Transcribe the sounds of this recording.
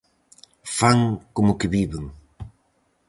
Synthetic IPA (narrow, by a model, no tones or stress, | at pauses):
faŋkomʊkɪβiβeŋ